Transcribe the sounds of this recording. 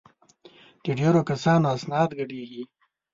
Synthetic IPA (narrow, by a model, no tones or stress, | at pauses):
d̪̥əɖeɾokasɑnoasnɑːd̪ɡaɖeɡi